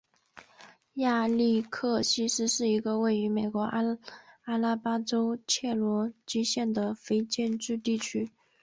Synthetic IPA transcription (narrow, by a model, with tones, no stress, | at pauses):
ja˥˧li˥˧kʰɤ˥˧ɕi˥ʂɻ̩˥ʂɻ̩˥˩i˧˥ɡə˧we˥˩ɪy˧˥me˨˩ɪkwɔ˧˥ʔa˥la˥pa˥ʈ͡ʂo˥ʊt͡ɕʰjɛ˥˩lwɔ˧˥t͡ɕi˥ɕjɛ˥˩nd̪ə˩fe˥ɪt͡ɕjɛ˥˧nʈ͡ʂɻ̩˥˧t̪i˥˩t͡ɕʰy˥